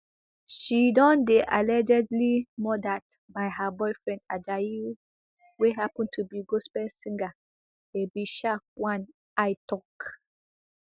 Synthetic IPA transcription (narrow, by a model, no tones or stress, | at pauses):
ʃidɔ̃ndeʔalɛd͡ʒɛdlimɔdat | baɪɦəbɔɪfɹɛ̃nda̰d͡ʒaji | weɦapɔ̃ntʰubiɡospɛsĩŋɡa | ebiʃak̚wãn | ʔaɪtʰɔk